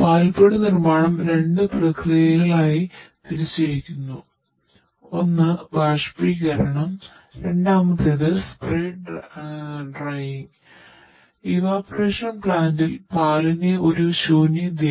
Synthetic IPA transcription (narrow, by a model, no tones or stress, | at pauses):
paːlpeɽɨnirmaːɳɐmɾe̞ɳɖɨprɐkʰrijɐɣɐɭaːjit̪iɾit͡ɕːiɾikʲːunːu | o̞nːɨbaːʂpriːkɐɾɐɳɐm | ɾe̞ɳɖaːmɐðeðɨspreːɖ | ɖrajiŋɡ | iʋaːpɐreːʂɐnpɭaːndɨlpaːlɐneo̞ɾuɕoːnjid̪je